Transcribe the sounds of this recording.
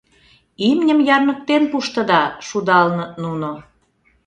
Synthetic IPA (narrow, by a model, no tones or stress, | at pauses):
imnʲəmjɑrmək̚t̪enpuʃt̪ə̆d̪ɑʃud̪ɑlnənuno